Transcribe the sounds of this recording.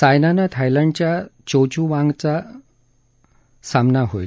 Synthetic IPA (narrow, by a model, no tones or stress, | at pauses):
sajnanat̪ʰajlaɳɖt͡ɕjat͡ɕot͡ɕuʋãŋɡt͡sa | samnaɦoj